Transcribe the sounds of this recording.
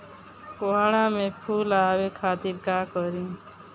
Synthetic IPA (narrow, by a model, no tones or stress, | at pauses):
koɦaɽãmẽpʰuːlaːwekʰaːt̪iːɾkaːkəɾĩː